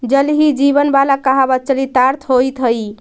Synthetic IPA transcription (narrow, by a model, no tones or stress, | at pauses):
d͡ʒəlɦid͡ʒibənbalakaɦabət̪̚t͡ʃəlit̪aɾt̪ʰɦojt̪ɦəj